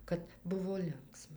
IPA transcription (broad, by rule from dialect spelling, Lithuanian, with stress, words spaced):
kɐt ˈbʊʋoː ˈlʲɪŋksmɐ